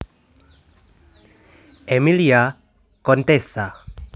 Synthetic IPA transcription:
emilia | kont̪esa

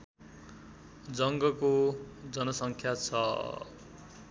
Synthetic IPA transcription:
d͡zʌŋɡʌkod͡zʌnʌsʌŋkʰjat͡sʰʌ

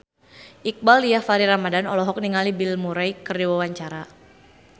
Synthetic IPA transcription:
ʔik̚balijahfaɾiɾamadanɔlɔɦɔk̚niŋalibilmuɾajkərdiwawaɲt͡ʃaɾa

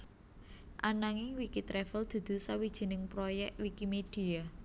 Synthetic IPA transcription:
ʔanaŋɪŋwikit̪ɾɛfəld̪̥ṳd̪̥ṳsawid̥ʒ̥i̤nɪŋpɾojɛk̪̚wikimed̥ia

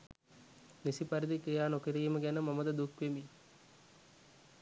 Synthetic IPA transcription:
nisipɐɾid̪ikejaːnokiɾijməɡænəmɐməd̪əd̪ukʋemi

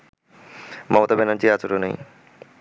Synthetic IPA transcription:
mɔmot̪abenand͡ʑiat͡ɕoɾonej

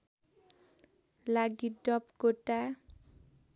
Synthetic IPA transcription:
laɡiɖɔpkoʈa

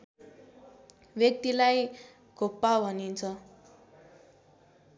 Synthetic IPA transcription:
bjʌk̚t̪ilaj | ɡʱopːabʱʌnint͡sʰʌ

